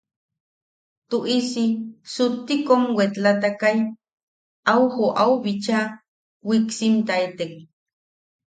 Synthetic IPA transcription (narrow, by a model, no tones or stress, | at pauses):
t̪uʔisisut̪ːikomwet̪lat̪akaj | ʔawhoʔawβit͡ʃa | wiksimt̪ait̪ek̚